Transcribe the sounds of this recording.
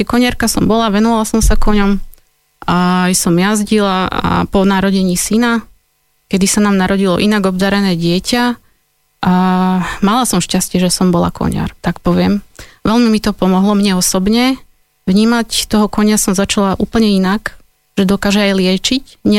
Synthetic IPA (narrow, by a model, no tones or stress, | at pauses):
ɛkɔɲaɾkasɔ̰mbɔlaʋɛnɔʋalasɔmsakɔɲɔm | ajsɔmjazɟilaa̰pɔnaɾɔɟɛɲiːsina | kɛd̪isanaːmnaɾɔɟilɔ̰ʔinaɡɔbd̪aɾɛnɛːɟɪɛca | ʔamalasɔmʃcascɪɛʒɛsɔmbɔla̰kɔ̰ɲa̰ɾt̪akpɔʋɪɛmʋɛlmimit̪ɔpɔmɔɦlɔmɲɛɔsɔbɲɛ | ʋɲiːmact̪ɔɦɔkɔɲasɔmzat͡ʃalaʔṵːpl̩ɲɛinak | ʒ̥ɛd̪ɔkaːʒɛajlɪɛt͡ʃic | ɲɛ